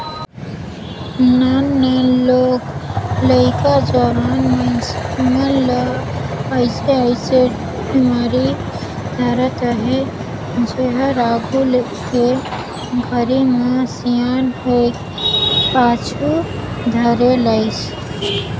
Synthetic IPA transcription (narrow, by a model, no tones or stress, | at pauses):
nanːeloɡləɪkad͡ʒɔɾanmesmel | əɪseəɪse | bimaɾi | d̪ʱaɾət̪əɦi | d͡ʒeɦəɾaɡʱul | ke | ɡʱəɾimesijanɦot̪ | pat͡ʃʰu | d̪ʱəɾeləɪt͡ʃ